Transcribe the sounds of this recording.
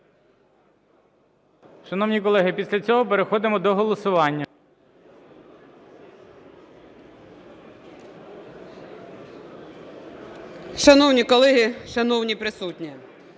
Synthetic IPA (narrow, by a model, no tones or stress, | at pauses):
ʃɐnɔwnʲikɔlˠɛɦɪpʲisʲlʲɐt͡sʲɔɦɔpeɾexɔd̪ɪmɔd̪ɔɦɔlˠɔsʊʋɑnʲːɐ | ʃɐnɔwnʲikɔlˠɛɦʲiʃɐnɔwnʲipɾɪsutʲnʲi